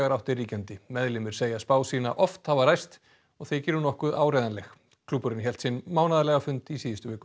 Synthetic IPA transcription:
aɾawht̪ɪriːcɛnt̪ɪmɛðlɪmɪɾ̥seːjaspaːwsiːna̰ʔɔft̪havaɾajst̪ | ɔɣθejcɪːɾʏnɔhkʏðaːwɾejðanlɛx | kʰlupːʏɾɪnçɛl̥t̪sɛnmaːwnaðalɛɣafʏnt̪isiːðɪst̪ʏvɪːkʏ

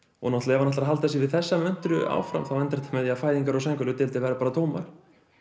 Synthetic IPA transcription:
ɔ̰ɣnɔht̪laɛvanaht̪ɾɦalt̪θɛsɪvɪðθɛsːamœn̥t̪ɾʏa̰ːwfɾa̰mθawvɛnt̪ɛɾ̥t̪amɛðjafaːjðiŋkaɾɔsɛŋkʏlʏt̪ɪlt̪ɪvɛːɾapaːɾat̪ʰoːwmaɾ̥

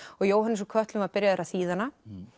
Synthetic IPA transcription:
ɔɣjoːwɦanːɪsɔkʰœht̪lʏmaɾpɪɾjaðɛɾaθiːðanːa

